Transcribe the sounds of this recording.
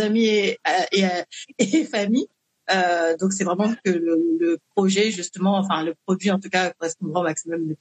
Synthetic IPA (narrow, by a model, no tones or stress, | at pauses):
amieaʔeaefami | ød̪ɔ̃ks̬ɛvʁɛmɑ̃kələləpχɔʒɛʒyst̪əmɑ̃ɑ̃fɛ̃ləpχɔd̪ɥiɑ̃t̪ukakɔʁɛspɔ̃d̪ʁɑ̃maksimɔmlə